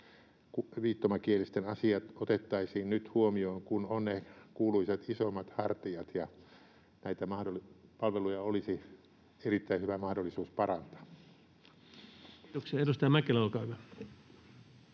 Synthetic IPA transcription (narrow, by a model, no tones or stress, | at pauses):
kuʋiːt̪ːomɑkielist̪enɑsiɑt̪ot̪et̪ːɑisiːnnyt̪huomioiŋkunonnekuːluiset̪isomːɑt̪hɑrt̪iɑt̪jɑ | næit̪æmɑhdolpɑlʋelujɑolisi | erit̪ːæihyʋæmɑhdolːˑisuːspɑrɑnt̪ɑ̥ | oksiɑeɾust̪ɑjɑmækelɑukɑʋe